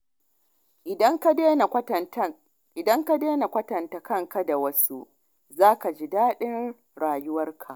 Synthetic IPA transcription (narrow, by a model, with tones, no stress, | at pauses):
ʔŋkː | ʔɪ˨dɐ˦ŋka˦deː˦na˨kʷɐ˦tɐ˨nta˨kɐ˦ŋka˦da˨wɐ˦su˦ʔ | zaː˦ka˨d͡ʒiː˦daː˦ɗɪ˦n | ɽaː˨jʊ˦wɐ˦rkʰa˨ʔ